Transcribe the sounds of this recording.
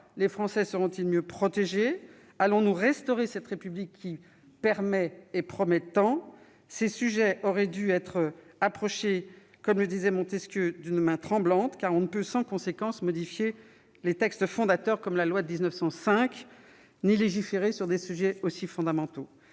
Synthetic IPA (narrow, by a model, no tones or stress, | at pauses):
lefχɑ̃sɛsəʁɔ̃t̪ilmjøpχɔt̪eʒe | alɔ̃nuʁɛst̪ɔʁesɛt̪ʁepyblikʰʲːi | pɛʁmɛepχɔmɛt̪ɑ̃ | sesyʒɛʔɔʁɛd̪yɛt̪χapχɔʃe | kɔmləd̪izɛmɔ̃t̪eskjød̪ynmɛ̃t̪χɑ̃blɑ̃t̪kaʁɔ̃nəpøsɑ̃kɔ̃sekɑ̃smɔd̪ifje | let̪ɛkst̪fɔ̃d̪at̪œʁkɔmlalwad̪əd̪iznœfsɑ̃sɛ̃k | nileʒifeʁesyʁd̪esyʒɛosifɔ̃d̪amɑ̃t̪o